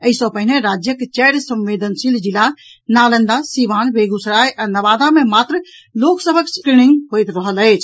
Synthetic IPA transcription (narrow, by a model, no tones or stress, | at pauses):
əisəbpəɦineɾad͡ʒjəket͡ʃəjɾsə̃mʋed̪ʱənsild͡ʒila | nalənd̪asiβanbeɡusɾajʔanəʋad̪amemat̪ɾ | loksəbʱəkskɾiniŋɡɦojt̪ɾəɦələt͡ʃʰ